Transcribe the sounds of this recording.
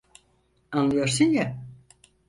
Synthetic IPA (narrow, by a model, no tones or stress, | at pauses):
anlˠɯjoɾsunja